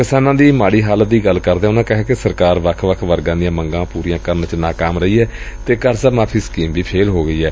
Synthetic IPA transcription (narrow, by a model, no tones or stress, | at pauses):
kɪsaːnãːd̪iːmaːɽiːɦaːlət̪̚d̪iːɡəlkəɾd̪eːʊnãːkəɦɛːkesəɾkaːɾʋəkʰʋəkʰʋəɾɡãːd̪ɪjãːməŋɡãːpuːɾijãːkəɾnt͡ʃnaːkaːmɾəiːɛː | t̪eːkəɾsəmaːpʰiːskiːmʋiːpʰeːlɦoːɡəiːɛː